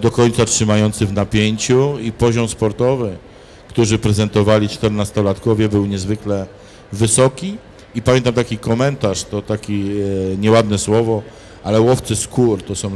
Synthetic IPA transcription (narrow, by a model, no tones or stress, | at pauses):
d̪ɔkɔɲt̪satʂɘmajɔnt̪sɘvnapʲjeɲt͡ɕuipɔʑɔmspɔɾt̪ɔvɘ | kt̪uʐɘpɾɛzɛnt̪ɔvalʲit͡ʂt̪ɛɾnast̪ɔlat̪kɔvʲjɛbɘwɲɛzvɘklɛ | vɘsɔkʲi | ipamʲɛnt̪amt̪akʲikɔmɛnt̪aʂt̪ɔt̪akʲiɲɛwad̪nɛswɔvɔ | ʔalɛwɔft̪sɘskuɾt̪ɔsɔ̃w̃